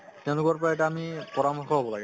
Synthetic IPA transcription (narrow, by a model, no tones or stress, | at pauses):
tɛʊ̃lʊkaɹpɔajɛtaamipɔɹamɔxɔɦobɔlaɡɛ